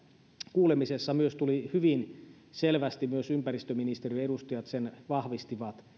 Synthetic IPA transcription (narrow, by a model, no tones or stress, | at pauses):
kuːlemisesːɑmyøst̪ulihyʋin | selʋæst̪imyøsympærist̪øminist̪eriedust̪ɑjɑt̪senʋɑhʋist̪iʋɑt̪